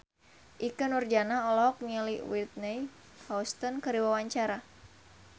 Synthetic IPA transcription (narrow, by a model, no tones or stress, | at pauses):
ʔikənurd͡ʒanaɔlɔɦɔk̚mialiwit̪̚nɛj | haust̪ɔnkəɾiwawaɲt͡ʃaɾa